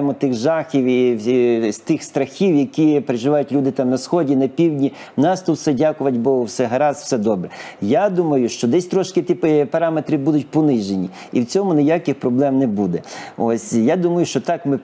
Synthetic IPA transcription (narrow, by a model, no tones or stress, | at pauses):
mɔt̪ɪxʒɑxʲiwi | st̪ɪxst̪ɾɐxʲiwjɐkʲipɾeʒɪʋɑjʊtʲlʲud̪ɪt̪ɑmnɐsxɔdʲinɐpʲiwdʲnʲi | nɑst̪ɔwsɛdʲakʊʋɐtʲbɔɦʊwsɛɦɐɾɑsw̥sɛd̪ɔbɾɛjad̪umɐjʊʃt͡ʃɔd̪ɛsʲt̪ɾɔʃkɪt̪ipɐɾɑmet̪ɾʲibud̪ʊt̚ʲpɔnɪʒenʲi | iwt͡sʲɔmʊnɪjakɪxpɾɔblˠɛmnɛbud̪ɛɔsʲjad̪umɐjʊʃt͡ʃɔt̪ɑkmɪ